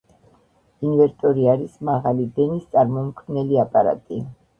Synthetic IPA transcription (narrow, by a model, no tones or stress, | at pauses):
invɛɾt̪ʼɔɾiaɾismaʁalid̪ɛnist̪sʼaɾmɔmkʰmnɛliapʼaɾa̰t̪ʼi